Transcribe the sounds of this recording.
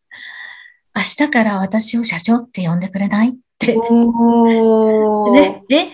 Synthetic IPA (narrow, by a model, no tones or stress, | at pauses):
aɕi̥t̪akaɾaβ̞at̪aɕio̞ɕat͡ɕo̞ːt̪ːe̞jõ̞nd̪e̞kɯ̟ɾe̞nait̪ːe | ne̞d̪e